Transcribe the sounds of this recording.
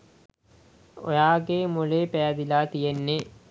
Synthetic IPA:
o̰jaːɡeːmuleːpɛjad̪ilaːt̪ijenːe

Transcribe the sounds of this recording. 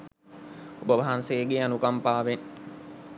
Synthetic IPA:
obəʋaɦanseːɡeanukampaːʋen

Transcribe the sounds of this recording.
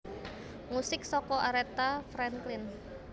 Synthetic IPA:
musɪksɔkɔʔaɾet̪afɾɛŋklɪn

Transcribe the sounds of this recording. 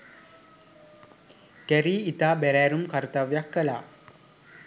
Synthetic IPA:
kæɾiːit̪aːbæɾæːɾumkaɾt̪aʋjakːəla̰ː

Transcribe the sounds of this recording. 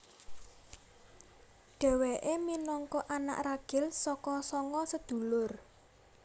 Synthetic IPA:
ɖ̥ɛ̤weʔeminɔŋkɔʔana̰ʔraɡ̥ɪ̤lsɔkɔsɔŋɔsəd̪̥ṳlʊr

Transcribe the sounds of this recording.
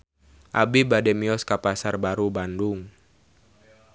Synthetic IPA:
ʔabibadɛmiɔskapasarbaɾubanduŋ

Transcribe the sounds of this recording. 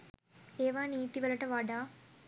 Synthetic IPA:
eːʋaːniːt̪iʋɐlɐʈəʋaɖaː

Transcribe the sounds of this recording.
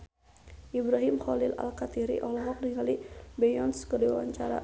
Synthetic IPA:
ʔibɾaɦimxɔlɪla̰lkat̪iɾḭʔɔlɔɦɔk̚diŋalibɛjɔnskədiwa̰wa̰ɲt͡ʃaɾa̰

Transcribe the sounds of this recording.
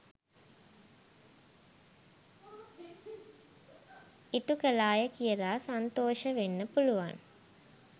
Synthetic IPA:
iʈukəlaːjəkijəlaːsant̪oːʃəʋenːəpuluʋa̰n

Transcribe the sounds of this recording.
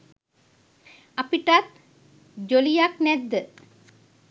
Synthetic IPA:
apiʈat̪̚ | d͡ʒolijaknɛd̪ːə

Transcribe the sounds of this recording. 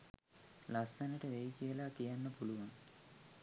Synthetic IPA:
lɐsːɐnɐʈəʋejikijɐlaːkijanːɐpuluʋɐn

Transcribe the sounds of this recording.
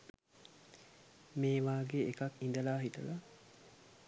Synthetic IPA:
meːʋaːɡeːkɐkind̪əlaːɦit̪ɐla

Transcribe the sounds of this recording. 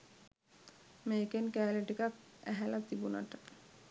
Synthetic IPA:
mejkenkæːliʈikak̚æ̰ɦælat̪ibuna̰ʈə

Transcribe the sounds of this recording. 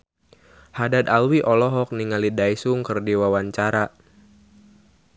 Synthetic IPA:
hadad̪alwiʔɔlɔɦɔk̚niŋalidajsuŋkərdiwawaɲt͡ʃaɾa

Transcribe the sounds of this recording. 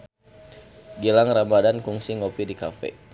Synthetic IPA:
ɡilaŋramadankuŋsiŋopidikafɛ̰

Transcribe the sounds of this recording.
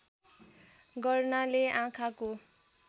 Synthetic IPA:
ɡʌrnaleʔãkʰako

